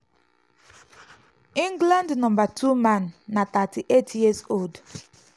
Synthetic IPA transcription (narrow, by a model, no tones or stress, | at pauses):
ĩŋɡlãndnɔ̃mbatʰumãnːat̪atiʔetʰjizold